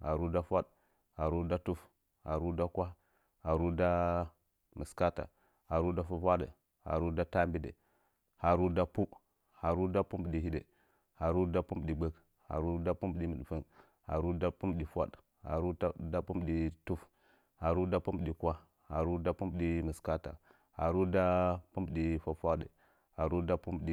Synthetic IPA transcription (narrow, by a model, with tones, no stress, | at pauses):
ha˨ɾu˦da˦fʷa˦d | ha˨ɾu˦da˦tu˦f | ha˨ɾu˦da˦kʷa˦ | ha˨ɾu˦da˦ | mə˨ska˦ta̰˨ | ha˨ɾu˦da˦fu˦va˦də̰˨ | ha̰˨ɾu˦da˦ta˦mbi˦də̰˨ | ha˨ɾu˦da˦pu˦ | ha˨ɾu˦da˦pu˦mbɗi˨ɦi˦də̰˨ | ha˨ɾu˦da˦pu˦m˨ɗi˨ɡ͡bə˦k | ha̰˨ɾu˦da˦pu˦mbɗi˦mə˨ɗfə˦n | ha̰˨ɾu˦da˦pu˦m˨ɗi˨fʷa̰˦d | ha̰˨ɾu˦da˦pu˦m˨ɗi˨tu˦f | ha˨ɾu˦da˦pu˦mbɗi˨kʷa˦ | ha˨ɾu˦da˦pu˦mbɗi˦mə˨ska˦ta̰˨ | ha̰˨ɾu˦da˦pu˦mbɗi˨fa˨fʷa˦də̰˨ | ha˨ɾu˦da˦pu˦mbɗi˦